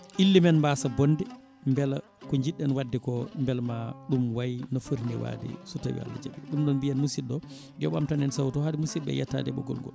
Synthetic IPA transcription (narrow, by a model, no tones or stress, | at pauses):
ʔilːimɛnmbasabɔndɛ | mbɛl | kɔɲd͡ʒiɗːɛnwadːɛkɔmbɛlmaɗumwajnɔfəɾnɛwa̰dɛ̰sutawḭa̰lːa̰d͡ʒa̰ɓɛɗumɗɔnbianmusiɗɔ | dɛɓamtanɛnsawtɔhadimusiɓɛ̰jɛtːa̰dɛɓɔ̰ɡɔ̰lŋɡɔ̰